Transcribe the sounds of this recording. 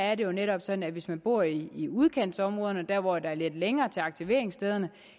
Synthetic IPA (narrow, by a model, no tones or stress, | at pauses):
æɐɾe̝jo̝neɾɒ̽b̥sɒ̽d̥n̩æʋe̝smænb̥o̝ɐ̰iːuð̞ˠkʰen̰d̥sɒ̽mʁɔ̽ːð̞ˠɐnɒd̥æɐ̰ʋɒ̰d̥ɑ̈æɐle̝d̥leŋɐːt͡sʰe̝lɑ̈ɡ̥̚t͡sʰiʋe̝̰ɐeŋsd̥eð̞ˠɐnə